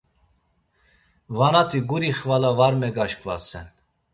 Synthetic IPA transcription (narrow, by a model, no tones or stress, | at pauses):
vanat̪ʰiɡuɾiχvalavaɾmɛɡaʃkʼvasɛn